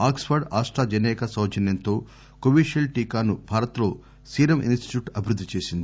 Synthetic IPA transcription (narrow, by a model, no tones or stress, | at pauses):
aːksfɐɾɖaːsʈɾaːd͡ʒɐnɛːkɐsɐwt͡ʃɐnjɐnt̪o̞ː | koʋiːʃelʈiːkaːnubʱaːɾɐt̪lo̞ː | siːɾɐmʔḭnsʈi̥ʈjuːʈɐbʱiɾud̪ʱːit͡ʃeːsind̪ii